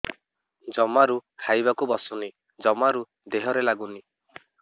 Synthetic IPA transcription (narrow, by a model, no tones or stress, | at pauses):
d͡ʒɔmaɾuhajbakubɔsɔni | d͡ʒɔmaɾu | d̪eɦɔɾelaɡuni